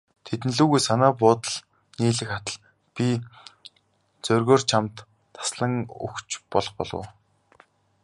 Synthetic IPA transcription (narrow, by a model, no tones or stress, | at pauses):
t̪ʰet̪n̆ɮuːɣujsanæːpʊːt̪ə̆ɮ | niːɮɘ̆kχat̪ə̆ɮ | pʲi | t͡sœrɣoːrt͡ɕʰamt̪ʰː | ḁsɮə̆ŋṵxt͡ɕpɔɮɞ̆χpɔ̰ɮə̰ː